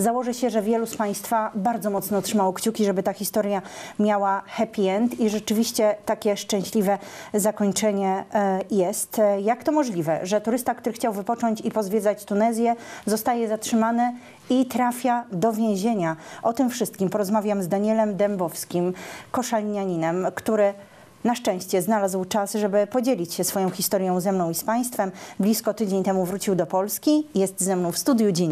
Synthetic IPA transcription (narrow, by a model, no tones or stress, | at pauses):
zawɔʐɛɕɛʐɛvʲjɛluspaj̃st̪fabaɾd̪zɔmɔt̪snɔtʂɘmawɔkt͡ɕukʲiʐɛbɘt̪axʲist̪ɔɾjamʲjawaxɛpʲiɛnt̪iʐɛt͡ʂɘvʲiɕt͡ɕɛt̪akʲɛʂt͡ʂɛ̃ɕlʲivɛzakɔɲt͡ʂɛɲɛjɛst̪jakt̪ɔmɔʐlʲivɛʐɛt̪uɾɘst̪akt̪uɾɘxt͡ɕawvɘpɔt͡ʂɔɲt͡ɕipɔzvʲjɛd̪zat͡ɕt̪unɛzʲjɛzɔst̪ajɛzatʂɘmanɛ | it̪ɾafʲjad̪ɔvʲjẽw̃ʑeɲaʔɔt̪ɘmfʂɘst̪kʲimpɔɾɔzmavʲjamzd̪aɲɛlɛmd̪ɛmbɔfskʲimkɔʂalɲaɲinɛmkt̪uɾɘ | naʂt͡ʂɛ̃w̃ɕt͡ɕɛznalazwt͡ʂasʐɛbɘpɔd͡ʑelʲit͡ɕɕɛsfɔjɔ̃w̃xʲist̪ɔɾjɔ̃w̃zɛmnɔ̃w̃ispaj̃st̪fɛmblʲiskɔt̪ɘd͡ʑeɲt̪ɛmuvɾut͡ɕiwd̪ɔpɔlskʲijɛst̪zɛmnɔ̃w̃fst̪ud̪ʲjud͡ʑɛɲ